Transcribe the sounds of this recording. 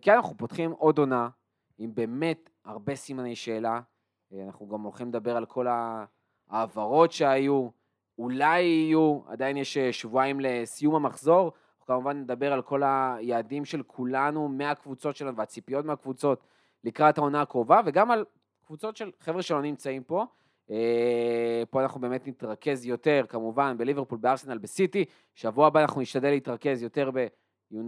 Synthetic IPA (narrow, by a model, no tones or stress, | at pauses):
kianaχupo̞tχimʔo̞do̞na | imbe̞ːme̞t | aʁbe̞simane̞jʃe̞ːla | anaχnuɡamolχimled̪abe̞ʁalkʰo̞la | aːvaʁo̞tʃe̞aju | ulajijua̰d̪ainjeʃeʃvuajimle̞sijumamaχzo̞ʁ | kamuvanled̪abe̞ʁalko̞lajaːdimʃe̞lkʰulanumeakvut͡so̞tʃe̞lanuveat͡sipijo̞tmeakvut͡so̞t | likʁathao̞naakʁo̞vave̞ɡamal | kvut͡so̞tʃe̞lχevʁeʃelo̞nimt͡saimpo̞ | e | po̞anaχnubeːmetnit̪ʁake̞zjo̞te̞ʁkamuvanbe̞liveʁpulbeaʁsenalbesiti | ʃavuabanaχnuniʃtadelːeitʁake̞zjo̞te̞ʁbe̞ | jun